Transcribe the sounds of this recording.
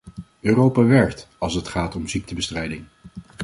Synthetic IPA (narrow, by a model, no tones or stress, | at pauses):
øːrowpaːʋɛɹkt | ɑlˠsətχaːtɔmzik̚təbəstrɛjdɪŋ